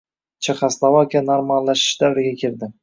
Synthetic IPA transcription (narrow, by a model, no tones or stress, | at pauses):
t͡ʃʰeχaslˠavakʲʰanaɾmallaʃɪ̥ʃd̪avɾɪɡʲakʲʰɪɾd̪ɪ